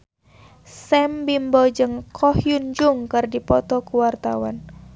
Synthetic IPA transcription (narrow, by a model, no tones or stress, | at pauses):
sɛmbimbɔd͡ʒɨŋkʰɔhjund͡ʒuŋkɨrdipɔt̪ɔkuwart̪a̰wa̰n